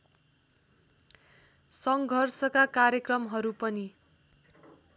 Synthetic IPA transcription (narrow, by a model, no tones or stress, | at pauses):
sʌŋɡʱʌrsʌkakarjʌkrʌmɦʌɾupʌni